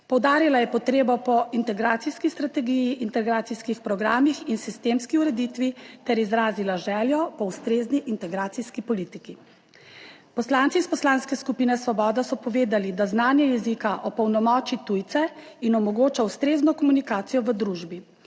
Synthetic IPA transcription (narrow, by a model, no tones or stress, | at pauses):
pɔwd̪aːɾilajɛpɔt̪ɾeːbɔpɔint̪ɛɡɾaːt̪siskist̪ɾat̪ɛɡijiʔint̪ɛɡɾaːt̪iskixpɾɔɡɾaːmixinsist̪eːmskiuɾɛd̪it̪ʋit̪ɛɾizɾaːzilaʒɛːljɔpɔust̪ɾeːzniʔint̪ɛɡɾaːt̪siskipɔliːt̪iki | pɔslaːnt̪ispɔslanskɛskupiːnɛsʋɔbɔːd̪asɔpɔʋeːd̪alid̪aznaːnjɛjɛzikaʔɔpɔwnɔmɔːt͡ʃit̪ujt̪sɛinɔmɔɡoːt͡ʃawst̪ɾeːznɔkɔmunikaːt̪sijɔʋəd̪ɾuʒbi